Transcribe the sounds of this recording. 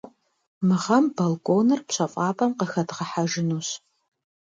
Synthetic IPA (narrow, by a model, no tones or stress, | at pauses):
mɨʁɐmbɐlkʷʼoːnɨrpɕʼɐfʼɑːpʼɐmqəxɐdʁɐħaʒɪnuːɕ